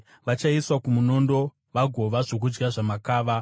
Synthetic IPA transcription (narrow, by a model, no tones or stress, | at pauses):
ʋat͡ʃaiswakumuno̞ndo̞ | ʋaɡʱo̞ʋaʐo̞k̬ud͡ʒɡaʐamakaːʋa